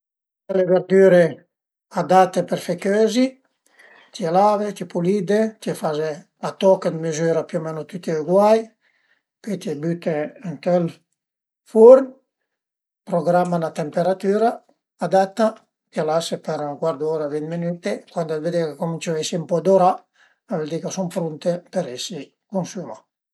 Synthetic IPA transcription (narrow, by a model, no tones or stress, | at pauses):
kɛlːeveɾd̪yːɾe | ad̪at̪ːeperfekjøːzi | t̪ʰielavet̪ipulid̪et̪iefaze | lat̪ɔkːad̪mezyːɾapjomenot̪ut̪iuɡwaj | pɔjt̪ibyt̪eŋt̪ɛl | foɾm | pɾoɡɾamːanat̪empeɾat̪yːɾaː | d̪at̪ːa | t̪ialasepeɾŋkwaɾd̪uoɾavint̪minyt̪ekwand̪alved̪ekekomint͡ʃoɛsimpɔd̪oɾa | aveld̪ikasumpɾunt̪epeɾɛsi | konsyma